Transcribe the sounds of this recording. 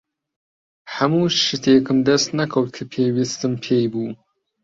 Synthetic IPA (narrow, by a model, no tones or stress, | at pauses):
ħamuːʃɨtʰeːkʰɨmdɐst̪nɐkʰɐwtkʰɨpʰeːjwistɨmpʰeːjbuː